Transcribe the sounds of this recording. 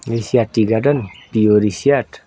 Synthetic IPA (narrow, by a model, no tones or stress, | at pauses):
ɾisiat̪ːiɡadənpioɾisiat